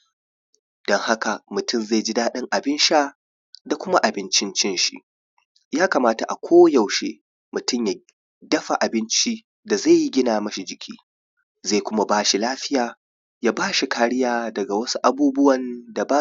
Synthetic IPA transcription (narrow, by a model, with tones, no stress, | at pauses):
d̥ɔ˦ŋha˦ka˨mʊ˨tʊ˦˨mza˦˨jd͡ʒɪ˦daː˦ɗɪ˦ŋʔa˨bɪ˦nʃaː˦ | da˨kʷʊ˦ma˦ʔa˨bɪ˦nt͡ʃɪ˦nt͡ʃɪ˦nʃḭ˦ʔ | jaː˦ka˨maː˦ta˨ʔa̰˨kʷʰoː˦ja˨wʃeː˦ | mʊ˨tʊ˦˨mja˨ | dɐ˦ɸa˨ʔa˨bɪ˦nt͡ʃi˦ | da˨za˦˨ji˦ɡʲɪ˦naː˨mɐ˦ʃi˨d͡ʒɪ˨kʲʰḭː˦ | za˦˨kʷʊ˦ma˦baː˦ʃi˨laː˦ɸɪ˦jaː˨ | jaː˦baː˦ʃi˨kʰaː˦ɽɪ˦jaː˨dɐ˨ɡa˨wɐ˦su˦ʔa˨buː˦bʊ˦wɐ˨nda˨baː˦